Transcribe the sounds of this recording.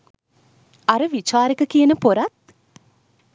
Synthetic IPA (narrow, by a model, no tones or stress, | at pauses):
ɐɾɨʋit͡ʃaːɾɐkɐkijɐnəpoɾɐt̪̚